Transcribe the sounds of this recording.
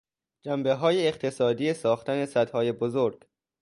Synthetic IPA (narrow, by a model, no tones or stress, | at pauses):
d͡ʒæmbe̞ɦɒːjeːqt̪ʰesɒːd̪iːesɒːxt̪ʰæne̞sæd̪hɒːjebozoɾɡ̥